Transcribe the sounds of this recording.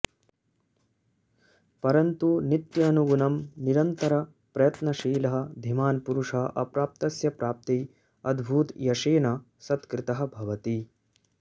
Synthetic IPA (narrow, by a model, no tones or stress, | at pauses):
pɐɾɐnt̪unit̪jɐnuɡunɐmniɾɐnt̪ɐɾɐ | pɾɐjɐt̪nɐʃiːlɐɦɐ̆d̪ʱimaːnpuɾuʂɐʔɐpɾaːp̚t̪ɐsjɐpɾaːp̚t̪i | ɐd̪bʱuːt̪jɐʃeːnɐ | sɐt̪kɾɪt̪ɐɦɐ̆bʱɐʋɐt̪i